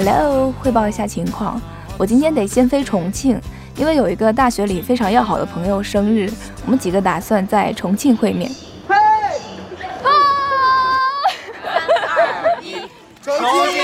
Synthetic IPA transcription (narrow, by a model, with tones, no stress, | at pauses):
la˧˥˧xwe˥˧ɪpɑ˥˩ʊi˧˥ɕja˥˩t͡ɕʰi˧˥ŋkʰwɑ̰˥˩ŋ | wɔ˨˩t͡ɕi˥nt̪ʰjɛ˥nt̪e˨˩ɪɕjɛ˥nfe˥ɪʈ͡ʂʰʊ˧˥ŋt͡ɕʰi˥˩ŋ | i˥nwe˥˩ɪjo˨˩ʊi˧˥ɡə˧t̪̬a˥˩ɕɥɛ˧˥li˨˩fe˥ɪʈ͡ʂʰɑ˧˥ŋjɑ˥˩ʊxɑ˨˩ʊd̪ə˦pʰɤ˧˥ŋjo˧ʊʂɤ˥ŋɻɻ̩˥˩ | wɔ˨˩mə˦nt͡ɕi˨˩ɡə˦t̪a˨˩swa˥˧nt͡sa˥˩ɪʈ͡ʂʰʊ˧˥ŋt͡ɕʰi˥˧ŋxwe˥˧ɪmjɛ̰˥˩n